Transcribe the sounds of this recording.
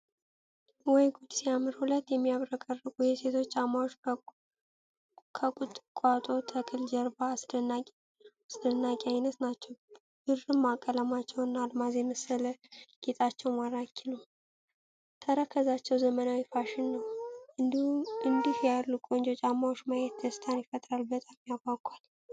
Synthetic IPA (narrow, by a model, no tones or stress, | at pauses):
wɔjɡud̪siamɨɾhulət̪ːjɛmːijaβɾəkʼərːɨkʼujɛse̞t̪ʰo̞t͡ʃːamaot͡ʃː | kʰəkʼut̪ʼːkʷʼat̪ʼo̞t̪ʰəkʼɨld͡ʒəɾbaːsdna | asd̪ənːakʼiajnət̪nat͡ʃːɛw | b̥ɨɾɾɨmːakʼːələmat͡ʃːɛwɨnːaːlmazeməsələɡ̥et̪ʼat͡ʃːɛwmaɾakʰːinəw | t̪ʰəɾəkʰəzat͡ʃːɛwzəmənawifaʃɪnːəw | ɨnd̪ihjalːukʼo̞nd͡ʒot͡ʃʼamːawot͡ʃːmajɛt̪d̪əsɨ̥t̪ʰanjifət̪ʼɾalbət̪ʼamjabakʼal